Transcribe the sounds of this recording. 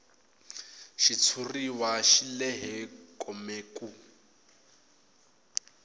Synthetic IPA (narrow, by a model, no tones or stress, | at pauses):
ʃit͡sʰuriwaʃilɛɦɛkʼɔmeːkʼu